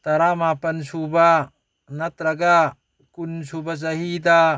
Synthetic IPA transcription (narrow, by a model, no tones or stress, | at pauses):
t̪ɐɾamapɐnsuba | nɐt̪ɾɐɡa | kunsubat͡ʃ̬ɐɦid̪a